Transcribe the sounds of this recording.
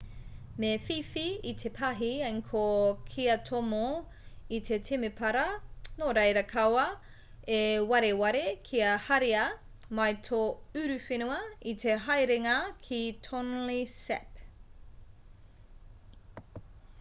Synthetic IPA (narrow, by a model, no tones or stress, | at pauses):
mefifiit̪ʰepʰɐɦiɐjŋkʰokʰiɐtʰomo | it̪ʰetʰemepʰɐɾɐnoɾɐjɾɐkʰɐwɐ | ewɐɾewɐɾekʰiɐhɐɾiɐ | mɐjtʰoʉɾʉfenuɐitʰeɦɐjɾeŋɐkʰitʰonlisɛ̰p̚